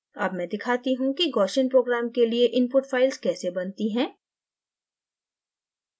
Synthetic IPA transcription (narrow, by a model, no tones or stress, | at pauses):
ɐ̰bmɛ̃ːd̪ɪkʰaːt̪iɦũkiɡɔːʃənpɾoːɡɾaːmkelieʔɪ̃npʊʈfaːɪlzkɛːsebɐnt̪iɦɛ̃ː